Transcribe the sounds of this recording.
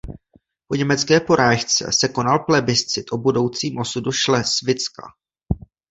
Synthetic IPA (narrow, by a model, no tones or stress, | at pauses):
po̞ɲɛmɛt͡skɛːpo̞ɾaːʃt͡sɛ̰sɛko̞nalplɛbɪst͡sɪt̪ʔo̞budo̞wt͡siːmʔo̞suduʃlɛsvɪt͡ska̰